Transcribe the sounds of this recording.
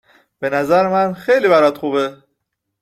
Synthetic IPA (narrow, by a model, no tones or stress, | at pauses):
b̥e̞næzæɾemænxejliːbæɾɒd̪xube